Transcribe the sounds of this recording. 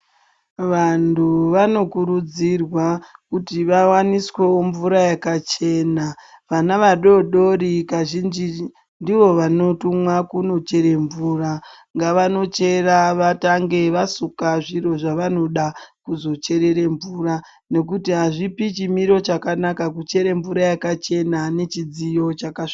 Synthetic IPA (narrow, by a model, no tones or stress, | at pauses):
ʋantʰuʋano̞kuɾud͡zirwakutiʋawaniswewoɱvuɾajakat͡ʃe̞ːnaʋanaʋaɗo̞ɗo̞ɾikaʒind͡ʒi | ndiʋo̞ʋano̞tumwakuno̞t͡ʃe̞ɾe̞ɱvuːra | ŋɡaʋano̞t͡ʃe̞raʋataŋɡe̞ʋasukaʐiɾo̞ʐaʋano̞ɗakuzo̞t͡ʃe̞ɾe̞ɾe̞ɱvura | ne̞k̬utiɦaʐipit͡ʃimiɾo̞t͡ʃakanakakut͡ʃe̞ɾeɱvuɾajakat͡ʃe̞nane̞t͡ʃid͡zijo̞t͡ʃakaʂi̥